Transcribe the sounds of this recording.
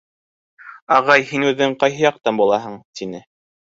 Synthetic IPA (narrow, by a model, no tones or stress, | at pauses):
ɑʁɑjhinʉðɘɴqɑjɦɤ̆jɑq̚t̪ɑnbulˠɑɦɤɴt̪inɘ